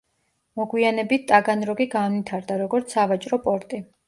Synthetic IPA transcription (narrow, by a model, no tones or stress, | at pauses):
mɔɡwianɛbit̪̚ʰt̪ʼaɡanɾɔɡiɡanvit̪ʰaɾd̪aɾɔɡɔɾt̪sʰavat͡ʃʼɾɔpʼɔɾt̪ʼi